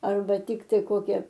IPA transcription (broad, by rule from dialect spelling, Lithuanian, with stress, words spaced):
ˈɐrbɐ ˈtʲɪktɐɪ ˈkoːkʲɛ